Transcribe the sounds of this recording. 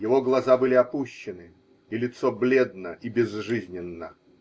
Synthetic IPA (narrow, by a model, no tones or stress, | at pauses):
jɪvo̞ɡlˠɐzabɨlʲɪɐpuɕːɪnɨ | ilʲɪt̪soblʲe̞d̪nəʔibʲɪzʐɨzʲnʲɪnːə